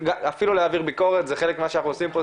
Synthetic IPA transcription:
ɡaafiluleaviʁbiko̞ʁet̪zeχe̞lekmimaʃeanaχnuosimpo

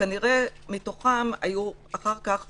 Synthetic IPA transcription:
aniʁe̞mito̞χamajuaχaʁkaχ

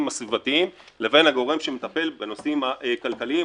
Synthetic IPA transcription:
masvivat̪iim | le̞ve̞nhaɡo̞ʁe̞mʃemet̪ape̞lbe̞no̞simaʔekalkalii

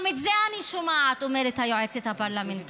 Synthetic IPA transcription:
mit̪zɛaniʃumaːt̪umeɾet̪ʰajɔet͡sʰet̪ʰapaɾlament̪

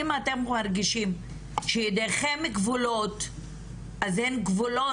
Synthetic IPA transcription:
imat̪emmaɾɡiʃim | ʃejid̪eχemːiɡvulot̪ | ʔazenɡvulo

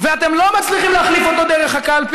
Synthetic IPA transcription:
veat̪emlo̞mat͡sliχimleaχlifot̪o̞d̪eʁeχakalp

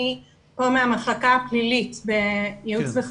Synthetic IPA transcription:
i | pomeameχlakaaplilitbejiut͡sbeχ

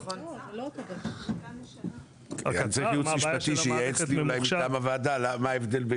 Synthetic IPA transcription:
kkant͡sejumiʃpat̪iʃejeet͡sliulajmiamavaːd̪alamaevd̪e̞lbe

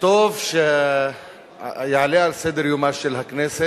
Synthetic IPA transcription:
t̪oːfʃ | jaːleaɾsed̪ɐɾjumaʃɐlɦɐknese

